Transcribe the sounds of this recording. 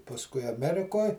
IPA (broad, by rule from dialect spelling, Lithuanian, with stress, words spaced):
pɐsˈkʊɪ ɐˈmʲæːrʲɪkoːj